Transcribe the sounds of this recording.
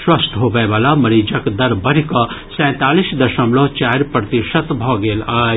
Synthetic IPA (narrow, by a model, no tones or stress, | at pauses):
swɐst̪ɦoːbɐeʋaːlamɐɾiːd͡ʒəkd̪ɐɾbɐɾikɐsɛ̃ːt̪aːliːsd̪ɐʃɐmlot͡ʃaːɾpɾɐt̪iʃət̪bʱɔːɡeːlaː